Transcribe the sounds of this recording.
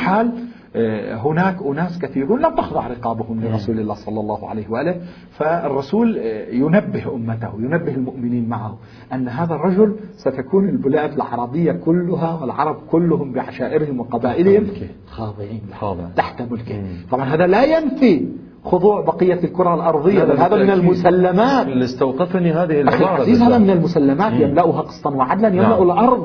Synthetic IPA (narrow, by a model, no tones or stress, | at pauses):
ħaːl | ɦʊnaːkʔʊnaːskaθiːɾuːnlamt̪ɪxðˤɑʕɾɪqɑːbʊhʊmlɪɾˤɑsuːlɪlːaːhsˤɑlːɑlˤːɑːhʕa̰lajhwʔaːlɪ | faɪrˤːɑsuːljʊnabːɪhʔʊmːat̪ahjʊnabːɪhɪlmʊʔmɪniːnmaʕahʊ | ʔanːɦaːðarˤːɑd͡ʒʊlsat̪akuːnɪlbʊlaːʔb̪ɪlʕɑ̰ɾˤɑbɪjːakʊlːʊɦawɪlʕɑ̰ɾˤɑb̚kʊlːʊhʊmbɪʕaʃaːʔɪɾhɪmwɪqɑbaːʔɪlhɪm | xɑːd̪ˤɨʕiːnlaht̪aħt̪mʊlkɪ̰t̪ˤɑbʕɑnɦaːðalajanfi | xʊðˤuːʕbɑqɨjːalkʊɾˤɑlʔɑɾˤðˤɨjːabahaːðamɪnɪlmʊsalːamaːt̪lɪst̪awqɪfnihaːðɪhɪʔaxilaziːzhaːðamɪnɪlmʊsalːamaːt̪jamlaʔʊɦaqɨ̥sˤːɑnwɪʕad̪lanjamlaʔʊlʔɑɾˤðˤ